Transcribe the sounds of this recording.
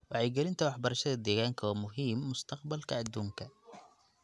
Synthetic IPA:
wɑʕɛjɡɛlɪnt̪ʰɐwɑħbɐɾɐʃɐðɐd̪ɛːɣaːŋkʰɐwːmʊɦiːmːʊst̪ʰɐqbɐlkʰɐːd̪uːŋkʰɐ

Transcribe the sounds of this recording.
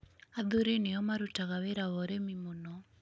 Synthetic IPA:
aðuɾeneɔmaɾutaɣaweɾawɔɾɛmimonɔ

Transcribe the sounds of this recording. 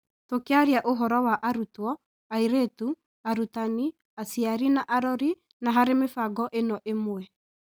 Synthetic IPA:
tokeaɾiaʔoɦɔɾɔwaʔaɾutwɔ | aiɾetu | aɾutani | asiaɾinaʔaɾɔɾi | naɦaɾemefaɡɔʔenɔʔemwɛ

